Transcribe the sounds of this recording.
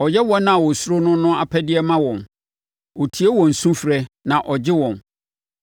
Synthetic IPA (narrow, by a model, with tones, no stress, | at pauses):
ɔ˨jɛ˦wɔ̃˦nːã˦˨wɔ˨su˦ɾo˦nʊ̃˦nʊ̃˦a˨pʰɛ˦dɪ˦ɛ˦mã˦wɔ̃˨n | wɔ˨tʰi˨e˦wɔ̃˨n̩˨sũ˦fɾɛ˦nã˨ʔɔ˨d͡ʑɪ˦wɔ̃˨n